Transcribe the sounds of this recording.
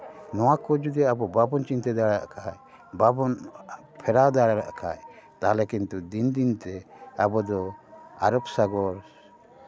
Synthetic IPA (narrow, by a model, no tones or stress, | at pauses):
nɔwakɔd͡ʒud̪ɛabɔbabɔnt͡ʃint̪ɛd̪aɽaʔkʰaj | babɔn | pʰɛɾad̪aɽaɾa̰ʔkʰa̰jt̪alɛkint̪ud̪ind̪int̪ɛabɔd̪ɔaɾɔbsaɡɔɾ